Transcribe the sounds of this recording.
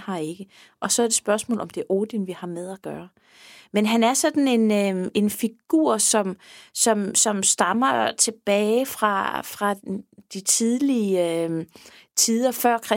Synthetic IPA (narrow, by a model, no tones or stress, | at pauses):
hɑ̈e̝ɡ̥ə | ʔɒ̽sɒ̽æɐd̥e̝sb̥ɶɐsmɔ̰ːlɒ̽md̥e̝ʔoːd̥inʋihɑ̈meðˠæɡ̥ɶːɐ | menɦænæɐsɒ̽d̥n̩e̝nøe̝nfiɡ̥ṵɐ̰sɒ̽msɒ̽msɒ̽msd̥ɑ̈mɐt͡sʰe̝b̥ɛːɪfʁɑ̈fʁɑ̈d̥it͡sʰiðˠli | t͡sʰiðˠɐfɶɐ̰kʰʁɛ